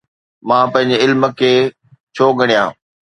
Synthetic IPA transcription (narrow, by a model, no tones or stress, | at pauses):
mãːpɐ̃ɦɪ̃ɲd͡ʑɪlmə̆kʰeː | t͡ɕʰoːɡɐɽ̃ijãː